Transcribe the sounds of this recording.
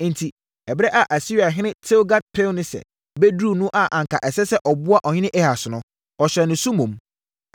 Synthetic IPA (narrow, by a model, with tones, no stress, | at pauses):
n̩˨tʰi˨ | ɛ˨bɾɛ˦ʔa˨ʔa˨si˦˨a˨ɦɪ̃˦nɪ̃˦tʰe˦wɡa˦t̚pʰe˦nʊ̃˦sɛ̰˨ | be˦dɾu˦˨nũ˦ʔa˨ʔã˨ŋ̩kʰa˨ʔɛ˨sɛ˦sɛ˦ʔɔ˨bʊ˦a˦ʔɔ˨ɲɪ̃˦nɪ̃˦ʔɛ˦ha˨sʊ˨nʊ̃˦ | ɔ˨ɕɾɛ˨nɪ̃˨sũ˦mũ˨m